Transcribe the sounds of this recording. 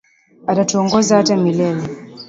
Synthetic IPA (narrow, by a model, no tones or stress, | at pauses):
atatuɔŋɡɔzahatamilɛlɛ